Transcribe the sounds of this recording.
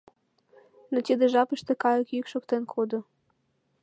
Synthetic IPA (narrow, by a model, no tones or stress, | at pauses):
notʲid̪ɘʒɑpɨʃt̪ekɑjokykʃokt̪enkʰod̪o